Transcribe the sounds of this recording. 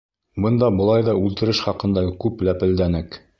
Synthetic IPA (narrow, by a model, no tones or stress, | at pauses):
bɤnd̪ɑbɤ̆lˠɑjðɑʉlt̪ɘ̆ɾɘʃχɑqɤ̆nd̪ɑkʉplæpɘ̆ld̪ænɘk